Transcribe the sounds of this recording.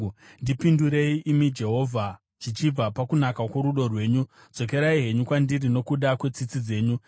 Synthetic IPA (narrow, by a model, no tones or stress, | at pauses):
ndipinduɾe̞iʔimid͡ʒe̞ɦo̞vʱa | t͡ʃit͡ʃib͡vapakunakakweɾuɗo̞rwe̞ːɲu | d͡zo̞ke̞ɾaiɦe̞ɲukwandirino̞kuɗakwe̞t͡sit͡sid͡ze̞ːɲu